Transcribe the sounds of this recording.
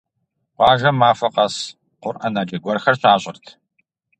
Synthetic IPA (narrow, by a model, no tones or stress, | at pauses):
qʷɑːʒɐmaːfɐqɐs | qʷʊrʔɐnaːd͡ʒɐɡʷɔrxɐrɕaːɕʷʼɪrtʰ